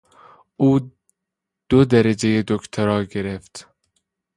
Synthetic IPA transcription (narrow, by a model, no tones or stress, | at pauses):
uː | d̪̥od̪æɾæd͡ʒejed̪okt̪ʰoɾɒːɡeɾeft̪